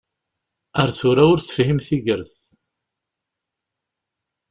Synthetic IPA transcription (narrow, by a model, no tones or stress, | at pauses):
əɾθʊɾaʊɾθə̥fhimθiʝəɾθ